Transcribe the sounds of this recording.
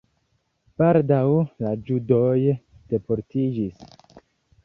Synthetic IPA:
b̥aldawlad͡ʒudoj | d̥e̞poɾtid͡ʒis

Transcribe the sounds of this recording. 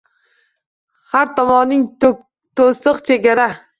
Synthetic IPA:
haɾt̪ʰɒmɒnːɪŋ | t̪ʰost̪ɨqt͡ʃʰe̞ɡʲaɾa

